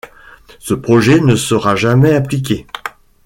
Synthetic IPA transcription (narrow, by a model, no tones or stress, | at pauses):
səpχɔʒɛnəsəʁaʒamɛaplik̬ʲe